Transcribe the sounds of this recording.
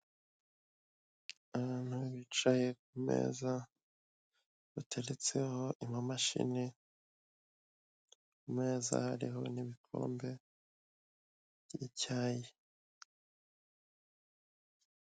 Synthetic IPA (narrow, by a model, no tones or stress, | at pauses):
aβaːn̥huβit͡ʃaje̞k̚umḛːza | βatʰe̞ɾet͡se̞ho̞ʔimamaʃḭne | kumŋe̞ːza̰haɾiho̞̰niβikʰo̞̰ːmbe̞ | βjicaːje